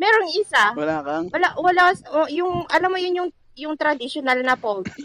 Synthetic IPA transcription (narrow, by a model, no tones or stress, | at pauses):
mɛːɾoŋʔɪsawɐlaːkɐwɐlawɐlasjʊŋʔɐlamːojʊnjʊŋ | jʊŋt̪ɾɐd̪ɪʃonɐlnɐpols